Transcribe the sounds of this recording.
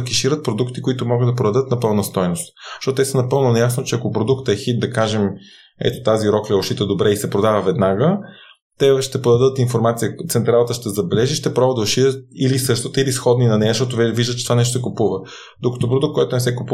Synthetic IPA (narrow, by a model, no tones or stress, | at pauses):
kiʃiɾət̪̚pɾod̪ukt̪ikʊit̪ʊmɔɡɤd̪d̪ɐpɾod̪ɐd̪ɤt̪nɐpɤlˠnɐst̪ɔjnost̪ʃtɔt̪oɛsənɐpɤlˠnonɐjasnot͡ʃɛɐkopɾod̪ukt̪ɛxit̪̚d̪ɐkaʒɛm | ɛ̰t̪ot̪aziɾɔklɛoʃit̪əd̪obɾɛisɛpɾod̪avəvɛd̪naɡə | t̪ɛʃt̪ɛpod̪ɐd̪ət̪infoɾmat̪sijət̪sɛnt̪ɾalˠət̪əʃt̪ɛzɐbɛlɛʒiʃt̪ɛpɾɔbəd̪ɐoʃiɾət̪̚ilisɤʃt̪ot̪əilisxɔd̪ninɐnɛɐʃt̪ɔt̪ovviʒd̪ət̪t͡ʃɛt̪ovanɛʃt̪osɛkʊpuvə | d̪okɐ̥t̪op̬ɾod̪uk̚t̪kɔjt̪ʊnɛsɛkupu